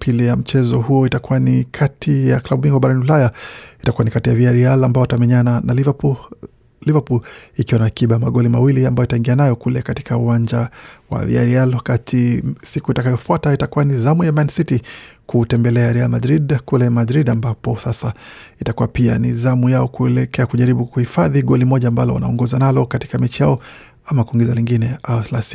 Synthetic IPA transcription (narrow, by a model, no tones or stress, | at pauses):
pilijam̩t͡ʃɛzɔhujɔitakuwanikʰatʰijaklaɓumiŋɡuaɓaɾaniulajaitakuanikatijaviaɾialambaɔatamɛɲananav | livapulikiwanaːkiɓamaɠɔlimawiliambajɔitaiŋɡianajɔkulɛkati̥kʰauwand͡ʒawa̰vḭa̰ɾialwakatʰisikuitakajɔfuataitakuwanizamujamansitikutɛmbɛlɛaɾɛalmadɾidkulɛmadɾiɗambapɔsasa | itakuwapia̰nizamujaɔkuɛlɛkɛakuʄaɾiɓukuhifaðiɠɔlimɔʄaːmbalɔ̰wa̰na̰ɔŋɡɔzanalɔkati̥kamɛt͡ʃijaɔ | amakuiŋɡɛzaliŋɡinɛaɔθlasi̥